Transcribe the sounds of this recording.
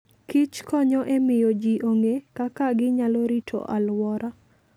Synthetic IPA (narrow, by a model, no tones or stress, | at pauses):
kit͡ʃkɔɲɔʔemɪjod͡ʒiʔoŋekakaɡɪɲaloɾitʰo̰ʔalwɔɾa